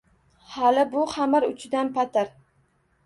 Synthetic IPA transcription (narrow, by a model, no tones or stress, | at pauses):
halɪbʊχamaɾʊt͡ʃʰɪd̪anpat̪ʰɪɾ